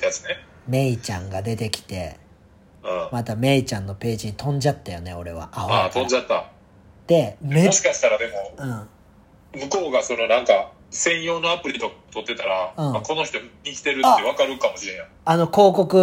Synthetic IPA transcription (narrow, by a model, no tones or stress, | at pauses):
jat͡sɨ̥ne | me̞it͡ɕãŋɡad̪e̞t̪e̞kʲi̥t̪e̞̰ | ɯ̃ːmat̪ame̞it͡ɕãnːo̞pe̞ːʑiɲ̟it̪ʰõ̞ɲ̟d͡ʑat̪ːajone̞o̞ɾe̞β̞a̰ʔaat̪õ̞ɲd͡ʑat̪ːa | d̪̥e̞meɕi̥kaɕi̥t̪aɾad̪e̞mo̞ɯ̟̃ːɴ | mɯ̟ko̞ːɡasono̞nãŋka | sẽ̞ɰ̃jo̞ːnoapɯ̟ɾʲit̪o̞kat̪o̞t̪ːe̞t̪aɾaɯ̟̃ːako̞no̞çi̥t̪omɲʲikʲi̥t̪e̞ɾɯ̟t̪ːeβakaɾɯ̟kamo̞ɕiɾẽjã | ano̞ko̞ːko̞kɯ̟